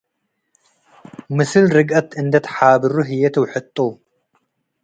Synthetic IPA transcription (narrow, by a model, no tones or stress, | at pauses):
mɨsɨlɾɨɡʔɐt̪ɨnd̪ɐt̪ʰħabɨɾuɦɨjɛt̪ʰwħɨt̪ʼːu